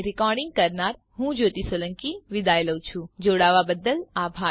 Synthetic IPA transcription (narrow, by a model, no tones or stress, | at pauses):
ɾikɔɾɖɪŋɡ̚kəɾnaɾ | ɦũd͡ʒot̪isələŋkiʋɪd̪ajləwt͡ʃʰũd͡ʒoɽaʋabəd̪əlabʱa